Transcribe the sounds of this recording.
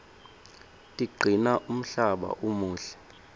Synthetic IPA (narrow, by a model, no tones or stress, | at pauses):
tʼiɡ͡ǀʱinaʔum̩ɬaɓa̰ʔumuːɬɛ̥